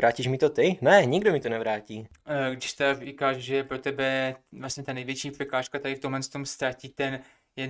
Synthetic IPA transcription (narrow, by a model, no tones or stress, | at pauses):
ɾaːciʃmɪt̪ot̪ɪnɛɲɪɡdomɪt̪onɛvɾaːciːɡdɪʃt̪ɛarɪkaːʃʒɛɛpɾo̞t̪ɛbɛvlasɲɛt̪anɛjvjɛt͡ʃiːpr̥ɛkaːʃkat̪aɾɪft̪omɦlɛnst̪o̞mst̪ɾaciːt̪ɛn | jɛ